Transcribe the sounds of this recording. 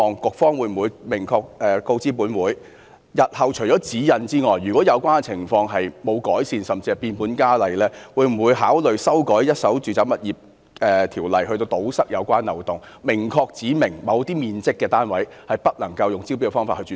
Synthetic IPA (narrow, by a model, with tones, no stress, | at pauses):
ɔː˨˧ŋkʊ˨k̚fɔː˥ŋwuː˨˧jm̩˨˩wuː˨˧jmɪ˨˩ŋkʰɔː˧k̚ɛː˨ko˧wt͡siː˥p̬uː˨˥nwuː˨˥j | jɐ˨t̚hɐ˨wt͡ʃʰɵ˨˩jt͡ʃɔː˨˥t͡siː˨˥jɐ˨nt͡siː˥ŋɔː˨jːyː˨kɔː˨˥jɐ˨˧wkʷwaː˥nɛ˧t͡sʰɪ˨˩ŋfɔː˧ŋɦɐ˨jmo˨˧wkɔː˨˥jsiː˧nsɐ˨mt͡si˧ɐ˨˩piː˧npuː˨˥nkaː˥lɐ˨jlɛː˥wuː˨˧jm̩˨˩wuː˨˧jɦaː˨˥wlɵ˨ɥsɐ˥wkɔː˨˥jjɐ˥t̚sɐ˨˥wt͡ʃyː˨t͡sɐ˨˥wmɐ˨t̚jiː˨˩p̚ | ʔɛː˨t̪ʰiː˨˩wlɐ˨˩jhɵ˧t̪o˧wt̪o˨˥wsɐ˥k̚jɐ̰˨˧wkʷaː˥nːɐ˨wt̪ʊ˨ŋ | mɪ˨˩ŋkʰɔː˧k̚t͡siː˨˥mɪ˨˩ŋmɐ˨˧wt̪iː˥miː˨nt͡sɪ˥kːɛː˧t̪aː˥nwɐ˨˥jhɐ˨jpɐ˥t̚lɐ˨˩ŋkɐ˧wjʊ˨ŋt͡si˥wp̬i˥kɛ˧fɔː˥ŋfaː˧t̚hɵ˧t͡ʃyː˨